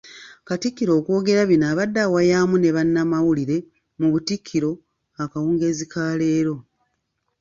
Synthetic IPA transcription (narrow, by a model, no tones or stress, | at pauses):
katikːiɾo̞ːko̞ːɡe̞ɾaβinaːβadːawajaːmune̞βanːamawuliɾe̞ | muβutikʰːiɾo̞ | akawuːŋɡeːzikʰaːle̞ːɾo̞